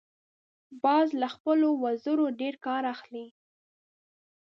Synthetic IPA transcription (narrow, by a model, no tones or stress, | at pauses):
bɑzlaxpəlowazəɾoɖeɾkɑɾaxli